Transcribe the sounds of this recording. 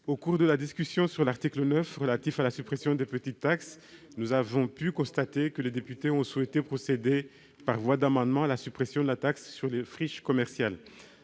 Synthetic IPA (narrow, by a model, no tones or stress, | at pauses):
okuʁd̪əlad̪iskʲysjɔ̃syʁlaʁt̪iklənœfʁəlat̪ifalasypχesjɔ̃d̪epət̪it̪ːaks | nuzavɔ̃pykɔ̃st̪at̪ekəled̪epyt̪eɔ̃suwɛt̪epχɔsed̪e | paʁvwad̪amɑ̃d̪mɑ̃alasypχesjɔ̃d̪əlat̪aksːyʁlefχiʃkɔmɛʁsjal